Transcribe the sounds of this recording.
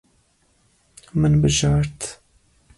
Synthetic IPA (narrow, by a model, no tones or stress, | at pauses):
mɨnbɨʒɑːɾt̪